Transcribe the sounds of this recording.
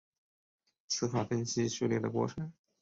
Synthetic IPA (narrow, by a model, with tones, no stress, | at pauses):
sʰɹ̩˥kʰɑ˨˩ʊfə˥nɕi˥ɕy˥˧ljɛ˥˩d̪ə˩kwɔ̰˥ʂʰə˨˩˥